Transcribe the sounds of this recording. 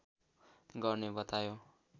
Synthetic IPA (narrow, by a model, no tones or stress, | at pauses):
ɡʌrnebʌt̪ajo